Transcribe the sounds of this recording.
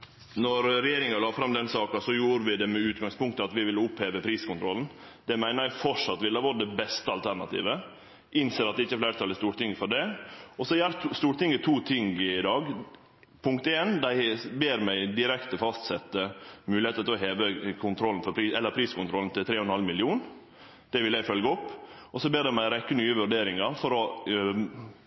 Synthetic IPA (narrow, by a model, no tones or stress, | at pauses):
nɔɾɾɛjeːɾɪŋɑlɑːfɾɑmd̪ɛnsɑːkɑsɔjuːɾəʋɪd̪ɛmɛʉːt̪ɡɑŋspʊŋk̚t̪əɑt̪ʋɪʋɪlːəʊpheːʋəpʰɾiːskʰʊnt̪ʰɾɔln̩ | d̪̥ɛmæɪnəɾjæfɔʂɑt̪ːʋɪlɑʋɔɖ̪ɛbɛst̪əɑlt̪ʰæɾɳɑ̰t̪ḭːʋə | ʔɪnseːɾɑt̪̚ɛɪçːəflæːɾət̪ɑlːəst̪uːɾt̪ɪŋːfɔɖɛɔsɔjæːɾtst̪uːɾt̪ɪŋət̪ʰuːt̪ʰɪŋɪd̪ɑːɡ | pʰʊŋkt̪eːnd̪æɪbeːɾmæɪd̪ɪɾɛkt̪əfɑst̪sɛt̪ːəmʉːlɪeːt̪ət̪ɪlɔɦeːʋəkʰʊnt̪ʰɾɔln̩fɔɾpʰɾiːɛlːəɾpʰɾiːskʊnt̪ɾɔln̩t̪ɪlt̪ʰɾeːhɔnhɑlmɪlɪuːn | d̪̥ɛʋɪljæɪfœlɡəɔpːɔsɔbeːɖ̪ɛmæɪɾɛkːənyːəʋʉɖeːɾɪŋɑɾfɔɾɔ